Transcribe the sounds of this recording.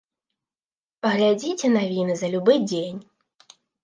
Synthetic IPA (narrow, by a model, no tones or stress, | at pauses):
pɐɣlʲad͡zʲit͡sʲɛnavʲinɨzɐlʲubɨd͡zʲenʲ